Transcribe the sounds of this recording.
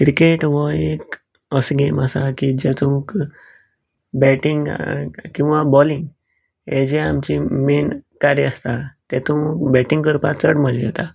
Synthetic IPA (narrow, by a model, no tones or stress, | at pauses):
kɾikeʈʋəek | əsɡeməsakid͡ʑɛt̪ũk | bɛʈiŋɡkĩw̃ʋabɔliŋɡ | ed͡ʑeamt͡ɕimenkaɾjəəst̪at̪ɛt̪ukbɛʈiŋɡkəɾpat͡səɽməljɛt̪a